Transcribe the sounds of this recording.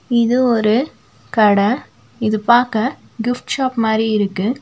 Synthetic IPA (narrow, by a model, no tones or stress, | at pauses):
ɪðɯɔɾɯ | kɐɽɐ | ɪðɯpaːɾkɐ | ɡɪfʈʃaːpmaːd̪ɾiɪɾɯkːɯ